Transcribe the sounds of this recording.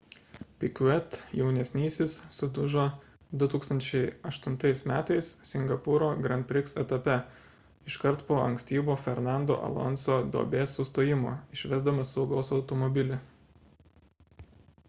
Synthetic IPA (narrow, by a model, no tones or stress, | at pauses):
pʲɪkʲɛt̪jɛʊnʲɛsʲnʲiːsʲɪsːʊd̪ʊʒoː | d̪ʊt̪uːkst̪ɐnʲt͡ʃʲɛɪɐʃt̪ʊnt̪ɐɪsmʲæːt̪ɐɪssʲɪŋɡɐpʊɾoːɡɾɐn̚ʲpʲɾʲɪksɛt̪ɐpʲɛ | ɪʃkɐɾt̪poːʔɐ̰ŋksʲt̪ʲiːboːfʲɛɾnɑˑnd̪o̰ːʔɐ̰lˠɔ̰nsoːd̪o̰ːbʲeːsːʊst̪oːjɪmo̰ːɪʃʲʋʲɛzd̪ɐmɐsːɒʊɡɐʊsɐʊt̪ɔmɔbʲɪlʲɪ